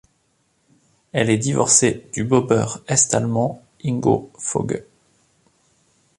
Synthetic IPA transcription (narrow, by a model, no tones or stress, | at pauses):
ɛlɛd̪ivɔ̰ʁsed̪̥ybɔbœʁɛst̪almɑ̃ | iŋɡo̰fo̰ɡ